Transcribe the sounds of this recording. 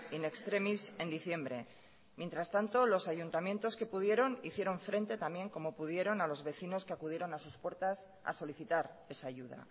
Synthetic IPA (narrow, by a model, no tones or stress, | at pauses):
ine̞kst̪ɾe̞mise̞nd̪iθje̞mbɾe̞̰ | mje̞nt̪ɾast̪ant̪o̞lo̞saʝunt̪amje̞nt̪o̞ske̞puðje̞ɾo̞niθje̞ɾo̞ɱfɾe̞nt̪e̞t̪amje̞ŋko̞mo̞puð̞je̞ɾo̞nalo̞zβe̞θino̞skeakuðje̞ɾo̞nasuspwe̞ɾt̪as | a̰so̞liθit̪aɾe̞saːʝuð̞a̰